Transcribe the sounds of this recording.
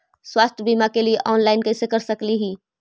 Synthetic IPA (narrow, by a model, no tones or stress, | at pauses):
swaːst̪ʰjəbimakelieʔɔːnlaːɪnkəsekəɾsəkliɦiː